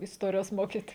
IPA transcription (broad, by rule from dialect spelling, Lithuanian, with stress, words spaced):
ɪsˈtoːrʲɪjoːs ˈmoːkʲiːtʲ